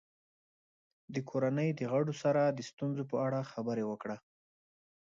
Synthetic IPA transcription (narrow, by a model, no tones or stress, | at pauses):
d̪əkʰoɾanəjd̪əɣaɽosaɾad̪əst̪unzopəaɽaxabəɾewəkɽa